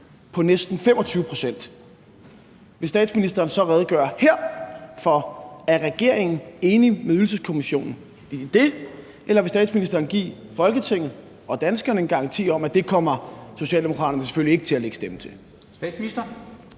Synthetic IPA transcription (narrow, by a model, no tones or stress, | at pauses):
pʰɒ̽nesd̥n̩fem̰ɒ̽t͡sʰyːʊəpʰʁo̝sen̰d̥ | ʋe̝sd̥ɛ̰ːd̥sminisd̥ɐːn̩sɒ̽ʁɛð̞̩ˠɡ̥ɶɐ̰heɐ̰fɒ̽æɐʁɛɡ̥e̝ɐ̰e̝ŋn̩e̝ːnimeyl̩səskʰo̝miɕo̝̰ːnn̩ | d̥e̝ | ʔelɐʋe̝sd̥ɛ̰ːdsminisd̥ɐːnɡ̥ḭːfɒ̽lɡ̥ət͡sʰe̝ŋ̰ð̩ˠ | ɒ̽d̥ænsɡ̥ɐnəenɡ̥ɑ̈ʁŋt͡sʰḭːɒ̽mæd̥e̝kʰɒ̽m̰ɐso̝ɕɛ̰ːldemo̝kʰʁɑ̈ːɾ̥ɐnəse̥følie̝ɡ̥ət͡sʰe̝læleɡ̥sd̥emət͡sʰe̝l | sd̥ɛ̥sminisd̥ɐ